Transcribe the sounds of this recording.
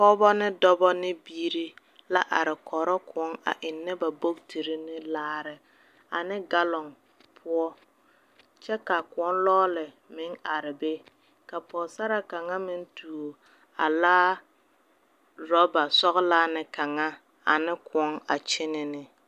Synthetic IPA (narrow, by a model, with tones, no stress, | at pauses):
kɔ˦bɔ˦nɪ˦dɔ˦bɔ˦nɪ˦biː˦ɾi˦ | la˦ʔa˨ɾɪ˨kʰɔ˨ɾɔ˦kʊ˨ɔ˦ŋa̰˨ʔɪ˨nːɪ˦ba˨bo˦btʰi˨ɾɪ˦nɪ˦laː˦ɾɪ˦ | a˨nɪ˦ɡa˦lɔ˨ŋ | pʰʊ˦ɔ˦ | t͡ʃɛ˦ka˨kʊ˨ɔ˦nlɔː˦lɪ˨ | mɪ˨˦ŋa˨ɾɪ˨be˦ | ka˨pɔ˨sa˦ɾa˨ka˨ŋa˦mɪ˦ntʰuː˨o˨ | a̰˨laː˦ | ɾɔ˦ba˨sɔ˦ɣlaː˦nɪ˦ka˨ŋa˦ | a̰˨nɪ˦kʰʊ˨ɔ˦ŋa̰˨t͡ʃɪ˦nɪ˦nɪ˦